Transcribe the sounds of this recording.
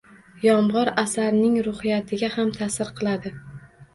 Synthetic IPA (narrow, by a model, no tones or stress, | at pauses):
jɒmʁɒɾasaɾnɪŋɾʊhɪjat̪ʰɪɡʲahamt̪ʰasɪɾqʰɨlˠad̪ɪ